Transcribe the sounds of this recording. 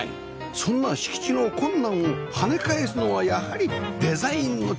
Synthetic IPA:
sõ̞nːaɕi̥kʲi̥t͡ɕino̞kõ̞nːãɰ̃ohane̞kaesɨno̞βajahaɾʲid̪e̞zaĩnːo̞

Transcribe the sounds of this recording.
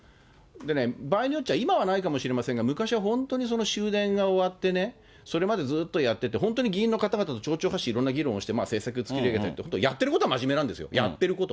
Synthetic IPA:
d̪e̞ne̞baːiɲ̟ijot͡ɕːiaimaβanaikamo̞ɕiɾe̞masẽ̞ŋɡamɯ̟kaɕiβaɦõ̞nt̪o̞ːɲ̟is̬o̞no̞ɕɨːd̪ẽ̞ŋɡao̞βat̪ːe̞ne̞ | so̞ɾe̞mad̪e̞d͡zɨːt̪ːo̞jat̪ːe̞t̪e̞ɦont̪o̞ɲ̟iɡʲĩːnːo̞kat̪aɡat̪at̪o̞t͡ɕo̞ːt͡ɕo̞ːɦaɕiːɾõ̞nːaɡʲiɾõ̞õɕi̥t̪emaːse̞ːsakɯ̟t͡sɨ̥kʲiɾeɡet̪aɾit̪ehont̪oijat̪ːe̞ɾɯ̟ko̞t̪o̞amaʑime̞nãnd̪e̞sɨjo̞̰ja̰t̪ːe̞ɾɯ̟ko̞t̪o̞̰

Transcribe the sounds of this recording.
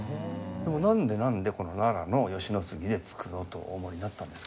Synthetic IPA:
d̪e̞mo̞nãnd̪e̞nãnd̪e̞ko̞no̞naɾano̞jo̞ɕino̞t͡sɨɡʲid̪e̞t͡sɨ̥kɯot̪o̞̰ːmo̞ɾ̟ʲinat̪ːãnd̪e̞sk

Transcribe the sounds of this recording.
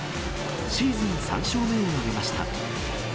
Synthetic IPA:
ɕiːzɨ̃ñsã̰ɰ̃ɕo̞ːme̞ɲiaɡe̞maɕi̥t̪a̰

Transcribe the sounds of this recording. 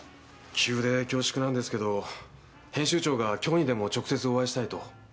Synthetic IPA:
kʲʰɨːd̪e̞kʲo̞ːɕi̥kɯ̟nãnd̪e̞sɨ̥ke̞d̪o̞ | hẽɕɨːt͡ɕo̞ːɡakʲo̞ːɲ̟id̪e̞mo̞t͡ɕo̞kɯ̟se̞t͡sɨo̞βaiɕi̥t̪ait̪o̞

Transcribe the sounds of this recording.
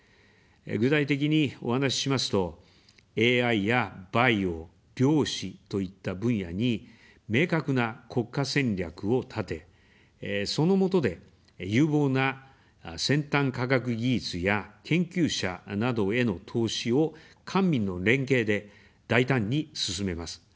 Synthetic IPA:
ɡɯ̟t̪ait̪e̞k̬ʲiɲ̟io̞̰hanaɕi̥ɕimasɨ̥t̪o̞ | e̞ːaijabaio̞ | ɾʲo̞ːɕit̪o̞it̪ːabɯ̟̃ɰ̃ja̰ɲ̟i | me̞ːkakɯ̟nakʰo̞kːasẽ̞nɾʲakɯ̟o̞t̪ʰat̪e̞ | so̞no̞mo̞t̪o̞d̪e̞ | jɨ̟ːbo̞ːna | sẽ̞nt̪ãŋkakak̬ɯ̟ɡʲit͡sɨjakʰẽ̞ŋkʲɨːɕa̰nad̪o̞e̞no̞t̪ʰo̞ːɕio̞kʰãmːʲĩnːo̞ɾẽ̞ŋke̞ːd̪e̞ | d̪̥ait̪ãɲ̟ːisɨsɨme̞masɨ̥

